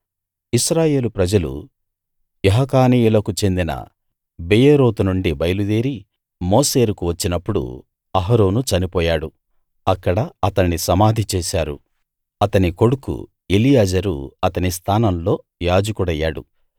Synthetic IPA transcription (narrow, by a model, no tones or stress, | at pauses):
iʃɾaːje̞ːlupɾɐd͡ʒɐlṵ | jeɦɐkaːniːjulɐkut͡ʃe̞nd̪inɐ̰ | bejeɾoːt̪unuɳɖibɐjlud̪eːɾi | moːseːɾukuʋɐt͡ʃːinɐpːuɽṵ | ɐɦɐɾo̞ːnut͡ʃɐnipɔːjaːɽu | ɐkːɐɽɐɐt̪ɐnːisɐmaːd̪ʱit͡ʃeːsaːɾṵ | ɐt̪ɐniko̞ɽukṵ | elijaːd͡ʒɐɾṵɐt̪ɐnist̪ʰaːnɐmlo̞ː | jaːd͡ʒɐkuɽɐjːa̰ːɽṵ